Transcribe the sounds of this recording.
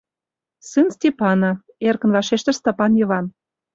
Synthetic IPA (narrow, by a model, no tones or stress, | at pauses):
sɨnsʲtʲepɑno | erkə̆nvɑʃeʃt̪ə̆rst̪ɑpɑnjɤ̆βɑn